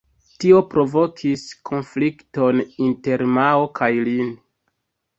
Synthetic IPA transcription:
tio̞pɾo̞vo̞kʰiskʰo̞nflikto̞ninte̞ɾmaokʰajlin

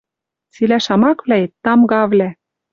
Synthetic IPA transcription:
t͡silæʃɑmɑkvlæet̪ːɑmɡɑβlæ

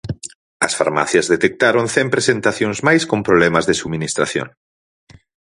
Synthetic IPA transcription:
ɐsfa̰ɾma̰θjɐzðet̪ek̚t̪aɾonθɛmpɾesent̪aθjoŋzmajskompɾoβlɛmɐzðesuminist̪ɾa̰θjo̰ŋ

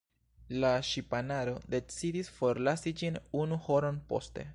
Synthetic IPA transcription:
laʃipanaɾo̞de̞t͡sidisfo̞ɾlasid͡ʒinunuho̞ɾo̞npo̞̰ste̞̰

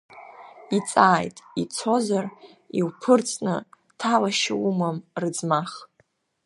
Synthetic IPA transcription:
it͡sʼaːjtʼit͡sʰo̞zar | iwpʰɨrt͡sʼnɨ̰ | tʰalaʃawumamrɨd͡zmaχ

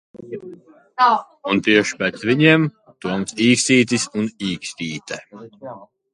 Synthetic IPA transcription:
unt̪iɛʃi̥pɛt̪svʲiɲiɛm | t̪uɔnsiːkst̪iːt̪̬isuniːksʲt̪iːt̪ɛ

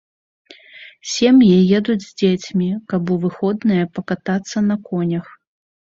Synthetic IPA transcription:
sʲɛmjijɛd̪ud͡zʲzʲd͡zʲet͡sʲmʲikabuvɨxɔd̪nɨjɐpɐkat̪at̪sːɐnɐkɔnʲɐx

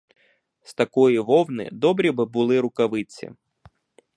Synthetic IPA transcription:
st̪ɐkɔjiʋɔwnɪ̰d̪ɔbɾʲibɪbʊlˠɪɾʊkɐʋɪt͡sʲḭ

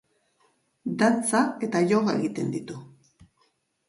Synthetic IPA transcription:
d̪at͡sae̞t̪aʝoɣae̞ɣit̪e̞nd̪it̪u

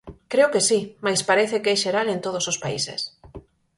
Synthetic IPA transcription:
kɾeokesimajspaɾeθekɛʃeɾalent̪oð̞osospaḭsḛs

